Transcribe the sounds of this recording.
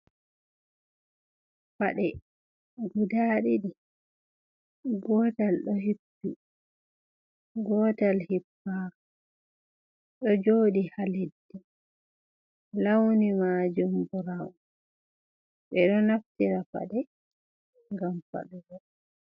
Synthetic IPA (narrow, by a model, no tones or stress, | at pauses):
faɗɛ | ɡudaːɗiɗi | ɡɔːtalɗɔɦipːi | ɡɔːtalhipːaːɾ | ɗɔd͡ʒoːdihaledːi | lawnimaːd͡ʒumbuɾaw | ɓɛɗɔnaftiɾafa̰ɗɛ | ŋɡamfa̰ɗuɡɔ